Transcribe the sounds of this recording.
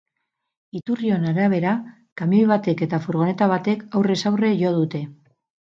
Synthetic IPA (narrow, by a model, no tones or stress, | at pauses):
it̪urio̞naɾaβ̞e̞ɾa | kamiojβat̪e̞ke̞t̪afuɾɣ̞o̞ne̞t̪aβ̞at̪e̞kawre̞sawre̞ʝo̞ðut̪e̞